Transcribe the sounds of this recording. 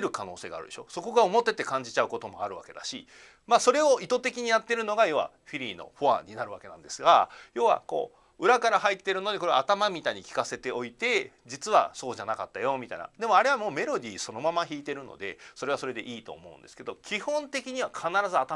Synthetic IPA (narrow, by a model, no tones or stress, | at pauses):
ɾɯ̟kano̞ːse̞ːɡa̰ːɾɯ̟d̪eɕo̞̰so̞ko̞ɡao̞mo̞t̪ːe̞t̪ːe̞kãɲ̟d͡ʑit͡ɕaɯ̟ko̞t̪o̞moa̰ɾɯ̟βa̰ke̞d̪aɕḭ | maso̞ɾe̞o̞it̪o̞t̪e̞kʲiɲ̟ijat̪ːe̞ɾɯ̟no̞ɡajo̞ːβa̰ | ɸʲiɾʲiːno̞̰ɸoã̰ɲinaɾɯ̟βake̞nã̰nd̪e̞sɨɡajo̞ːβa̰ko̞̰ː | ɯ̟ɾakaɾaɦait̪ːe̞ɾɯ̟no̞d̪e̞koɾe̞aːt̪amamʲit̪aiɲ̟ikʲi̥kase̞t̪e̞o̞it̪e̞d͡ʑit͡sɨβa̰so̞ːʑanakat̪ːajo̞mʲit̪a̰ina̰d̪e̞mo̞aɾe̞βamo̞ːme̞ɾo̞d̪ʲiːso̞no̞mamaçiːt̪e̞ɾɯ̟no̰d̪e̞̰so̞ɾe̞βasoɾe̞d̪e̞̰ʔiːt̪o̞̰ːmo̞ɯ̟̃nd̪esɨ̥ke̞d̪o̞kʲihõ̞nt̪e̞kʲiɲ̟iβakʰanaɾazɨat̪a